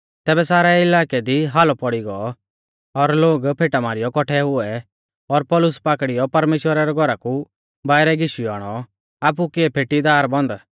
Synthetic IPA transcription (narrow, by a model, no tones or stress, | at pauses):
t̪ɛːbɛsaːɾɛɪlaːkɛd̪iɦalɔpɔɽiɡɔ | ɔɾloːɡpʰeːʈamaːɾɪjɔkɔʈʰɛɦʊɛ | ɔɾpɔlʊspaːkɽijɔpɐɾmeːʃwəɾaɾɛɡʱɔɾaku | baːɪɾɛɡɪʃiaːɽ̃ɔ | aːp̬ukɪɛpʰeːʈid̪aːɾbɔ̃nd̪a